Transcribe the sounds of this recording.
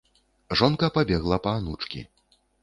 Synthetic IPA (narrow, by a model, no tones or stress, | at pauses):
ʐɔnkɐpabʲɛɣlˠɐpɐːnut͡ʂkʲḭ